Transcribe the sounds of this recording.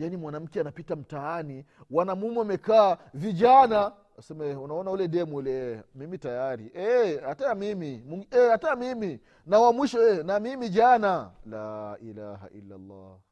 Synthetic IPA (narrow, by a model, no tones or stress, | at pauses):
janimwanam̩kɛanapitam̩taaniwanamumɛamɛkaːviʄana | sɛmɛunaɔnaulɛɗɛmulɛmimitajaɾḭʔɛatamimimuɛhatamimi | nawamwiʃɔɛnamimiʄanalaʔilaɦa̰ʔḭlːa̰lːa̰